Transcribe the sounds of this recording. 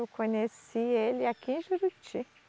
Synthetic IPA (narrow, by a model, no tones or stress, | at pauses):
wkʰõɲesielɪakiẽʒuɾut͡ʃi